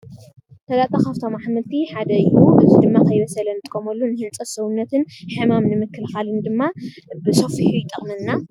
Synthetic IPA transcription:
t̪ʰɐlat̪ʼɐkaft̪ʰomaħmɐlt̪ʰiħad̪ɐjʔuʔɨzid̪ɨmːakʰɐjβɐsɐlɐnɨt̪ʰʼkʰʼːomɐlːunɨhɨnt͡sʼɐsɐwunːɐt̪ʰɨnħɨmamnɨmɨkːɨlxalɨnd̪ɨmːabɨso̞fħujt̪ʼɐχʼmɨnːa

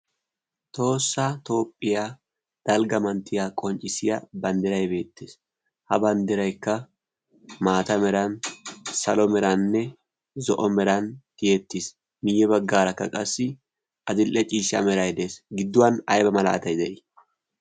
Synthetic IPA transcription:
t̪o̞ːsːat̪o̞ːpʼːɪjaː | d̪̥ɐlɡɐmɐnt̪ːɪjaːkʼɔnt͡ʃʼɪsɪjɐbɐnd̪ɪɾɐjbe̞ːt̪ːeːs | hɐbɐnd̪ɪɾɐjkːɐ | maːt̪ɐmɛɾɐnsɐ̰lɔmɛɾɐnːɛ | zɔʔɔmɛɾɐnt̪ɪjɛt̪ːis | mɪjːɛbɐɡːaːɾɐkːɐ̰kʼɐsːɪ | ʔɐd̪ɪlʔɛt͡ʃʼiːʃɐ̰mɛɾɐjd̪e̞ːsɡɪd̪ːʊwɐnɐjbɐmɐla̰ːt̪ɐjd̪ɛʔɪ

